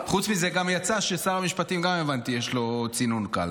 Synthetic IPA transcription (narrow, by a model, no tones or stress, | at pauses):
χut͡smizeɡamjat͡saʃesaʁamiʃpat̪imɡamevant̪ijeʃlo̞t͡sinunka̰l